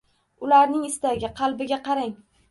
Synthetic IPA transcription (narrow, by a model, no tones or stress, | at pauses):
ʊlaɾnɪŋɪst̪aɡʲɪqʰɑlˠbɪɡʲaqʰɑɾaŋ